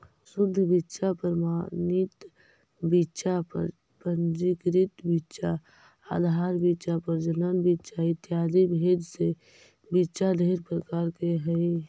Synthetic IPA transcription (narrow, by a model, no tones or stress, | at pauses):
sʊd̪ʱːəbitːʃapɾəmanɪt̪ | bitːʃapə̰ɾ | pənd͡ʒikɾit̪bitːʃa | a̰d̪ʱaːɾbitːʃapəɾd͡ʒənənbitːʃʰaɪt̪jaːdibʱed͡ʒse | bitːʃad̪ʱeɾpɾəkaːɾkeɦəj